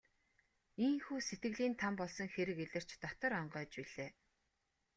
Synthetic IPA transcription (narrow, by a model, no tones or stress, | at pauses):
iŋxuːset̪ɡɘ̆ɣɮiːnt̪ʰampɔɮsɞ̆ŋxeɾɘ̆keɮɘ̆r̥t͡ɕt̪ɔt̪ɞ̆ɾɔɴɢœːt͡ɕpiɮeː